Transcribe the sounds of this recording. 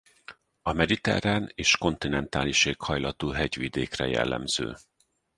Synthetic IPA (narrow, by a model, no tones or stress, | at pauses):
ɒmɛd̪it̪ɛ̰ɾaːneːʃko̞nt̪inɛnt̪aːliʃeːkhɒjlɒt̪uːɦɛɟʋid̪eːkrɛjɛ̰lːɛ̰mz̥ø̰ː